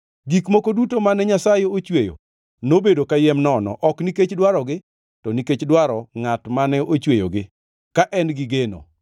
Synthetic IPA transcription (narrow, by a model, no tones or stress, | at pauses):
ɡikmokodutomanɛɲasajɛot͡ʃwejo̰ | nobedokajɛmnɔnɔ̰ʔɔkniket͡ʃdwaɾɔɡɪ | tɔniket͡ʃdwaɾɔŋatmanɛot͡ʃwejoɡɪ | kaʔɛnɡɪɡeno̰